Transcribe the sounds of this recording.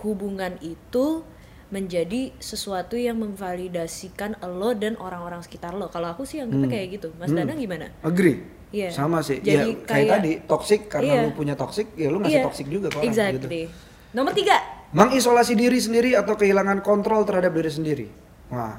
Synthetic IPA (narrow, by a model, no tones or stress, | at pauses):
hubuŋanit̪u | məɲd͡ʒadisəsuat̪ujaŋməŋfalidasikanəlɔdanʔoɾaŋoɾaŋsə̥kit̪arlokaloakusɪhjaŋkit̪akajaɡit̪umasdanaŋɡimana̰nəɡɾi | ijasamasɪhd͡ʒajaikajat̪adit̪ɔksɪkːaɾənaalopuɲat̪ɔksɪk̚jalʊŋajɪaɔksɪk̚d͡ʒuɡataɛɡzakit̪uli | nomərt̪iɡaməŋis̬olasidiɾis̬əndiɾiat̪awkəɦilaŋankɔnt̪ɾɔlt̪ərhadap̚diɾis̬əndiɾḭ | wa